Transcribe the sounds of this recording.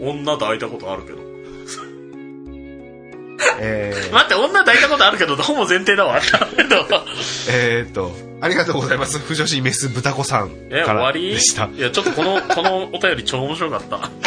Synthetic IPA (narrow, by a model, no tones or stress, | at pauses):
õ̞nːad̪ait̪ako̞t̪oaɾɯ̟ke̞d̪o̰ | s | emat̪ːeõ̞nːad̪ait̪ako̞t̪oaɾɯ̟k̬e̞d̪ot̪hõ̞mbo̞zẽ̞nt̪e̞ːd̪aβat̪ːake̞d̪oet̪ːo | aɾʲiɣat̪o̞ːɡozaimasɨɸɯ̟ʑo̞ɕ̬ime̞sɨbɯ̟t̪ako̞sã̰ŋ | ekaoaβaɾʲid̪eɕi̥t̪ajat͡ɕo̞t̪ːko̞nokko̞no̞ːt̪ajo̞ɾʲit͡ɕoːoːmo̞ɕ̬iɾo̞kat̪ːa̰